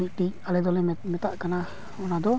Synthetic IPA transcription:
iʔ̚ʈic̚alɛd̪ɔlɛmɛt̪aʔkana | ɔnad̪ɔ

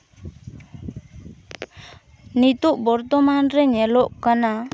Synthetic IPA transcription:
nit̪uʔbɔɾt̪ɔmanɾɛɲɛlɔʔkana

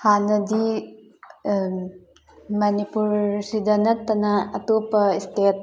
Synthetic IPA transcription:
hanɐdi | mɐnipuɾsidɐnɐtːɐnɐɐtopɐistet̚

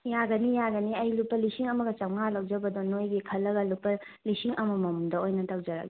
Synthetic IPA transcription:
jaɡɐnijaɡɐniɐjlupːɐlisiŋɐmɐɡɐt͡ʃɐwŋalɐwd͡ʒɐbɐdonojɡikʰɐlːɐɡɐlupːɐ | lisiŋɐmɐmɐmudɐojnɐtɐwd͡ʒɐɾɐ̰ɡi

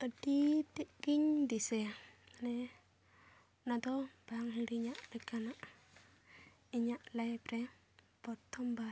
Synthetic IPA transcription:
ədit̪iʔɡiɲdisɛnɛ | nad̪ɔb̥aŋɦiɾiɲaʔlɛkanaʔ | iɲaʔlajpɾɛ | bɔt̪ʰːɔmba

